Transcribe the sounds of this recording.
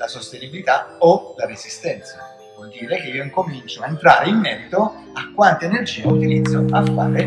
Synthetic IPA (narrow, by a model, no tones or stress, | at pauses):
lasost̪enibilit̪aolaɾezist̪ɛnt̪sa | vɔld̪iːɾek̟eiːoiŋkomint͡ʃoaent̪ɾaːɾeimːɛɾit̪o | akːwant̪eenerd͡ʒiːeut̪ilid̪zːoafːa̰ːɾe